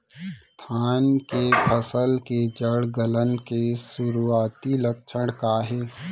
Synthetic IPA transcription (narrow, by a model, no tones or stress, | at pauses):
st̪ʰaːnkepʰəsəlked͡ʒəɽɡələnkesʊɾuaːt̪ilək̚t͡ʃʰəɽ̃kaɦɛː